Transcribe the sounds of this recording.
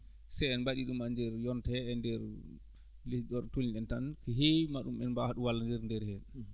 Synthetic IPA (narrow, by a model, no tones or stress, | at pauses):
sɛjɛnbaɗiɗumandɛɾjɔntɛɛndɛɾ | ledɔɾtuliɗɛntankɛɦemaɗumɛnbahaɗuwalːandɛɾndɛɾhɛ